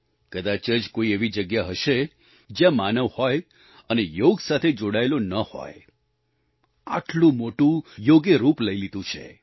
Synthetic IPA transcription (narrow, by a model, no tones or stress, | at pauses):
kəd̪at͡ʃəd͡ʒkoieʋid͡ʒəɡjaɦəʃe | d͡ʒjãmanəʋhoj | ənejoɡsat̪ʰed͡ʒoɽaelonəho̰j | a̰ʈlũmoʈũjoɡjəɾupləilid̪ũt͡ʃʰḛ